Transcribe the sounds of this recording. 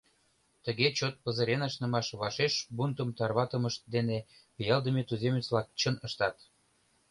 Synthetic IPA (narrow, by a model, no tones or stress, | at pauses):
t̪əɣet͡ɕot̪̚pə̆zə̆ɾenɑʃnə̆mɑʃβɑʃeʃbunt̪əmt̪ɑrβɑt̪ə̆məʃt̪̚d̪enepəjɑld̪əmet̪uzemʲet͡slɑk̚t͡ɕənəʃt̪ɑt̪